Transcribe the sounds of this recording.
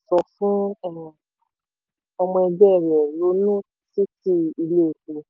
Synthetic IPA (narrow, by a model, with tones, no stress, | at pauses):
sɔ˧˨fũ˦ɛ˦˨ | ɔ˧mɔ̃˧ɛ˧d͡ʒɛ˦˨ɾɛ˨lo˨˦nũ˦ | si˦ti˦i˧le˦˨ku˨˧